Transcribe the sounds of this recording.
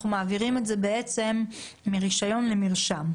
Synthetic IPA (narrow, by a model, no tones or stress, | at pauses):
χumaːviʁimetze̞be̞et͡se̞mː | iʁiʃajo̞nle̞miʁʃam